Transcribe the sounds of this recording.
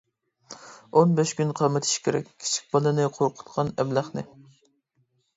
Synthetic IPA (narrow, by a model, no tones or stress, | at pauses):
onbɛʃkʲynqʰɑmɨt̪ʰɪ̥ʃkʲʰeɾɛ̰k̚ʲʰi̥t͡ʃʰi̥k̚ʲbɑlˠɨnɨqʰoɾqʰʊ̥t̪qʰɑnɛblæχnɨ